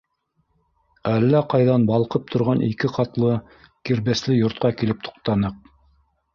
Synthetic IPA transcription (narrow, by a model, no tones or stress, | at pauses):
ælːæqɑjðɑnbɑlˠqɤp̚t̪ʰŏɾʁɑnʔikɘqɑt̪lˠɤ | kiɾβæslɘjŏɾt̪̚qɑkilɘp̚t̪ʰŏ̥q̚t̪ɑnɤq̚